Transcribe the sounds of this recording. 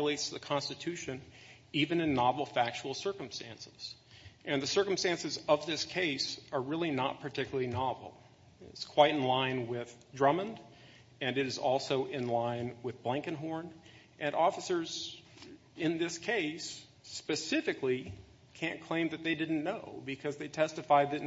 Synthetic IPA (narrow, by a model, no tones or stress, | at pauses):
leɪtsðɨkʰɑ̃nstɨtʰʉʃɨ̃n | ivɨ̃nɨ̃nːɑvl̩ˠfæk̚t͡ʃul̩ˠsɜ˞km̩stæ̃nsɪ̥z̥ | ʔɨ̃nðɨsɜ˞km̩stæ̃nsɨzʌvðɪskʰeɪsə˞ɹɪlˠinə̰t̚pʰə˞tʰɪkjl̩ˠlˠinɑvl̩ˠ | ɪ̰tskʰw̥aɪɾn̩lãɪ̃nwɪð̥dɹʌmə̃nd | ɨ̃nɨɾɨzɔlˠsoʊʔɪ̃nlãɪ̃nwɨðblæ̃ŋkɨ̃nɦɔɹn | ʔɨ̃nʔɔfəsə˞z | ɨ̃nðɪskʰeɪs | pɨsɪfɨkli | kʰæ̃nkʰl̥ẽɪ̃mðɨt̪̚ðeɪdɪdⁿn̩noʊbɨkʰʌzðeɪtʰɛstɨfaɪd̪̚ðɨ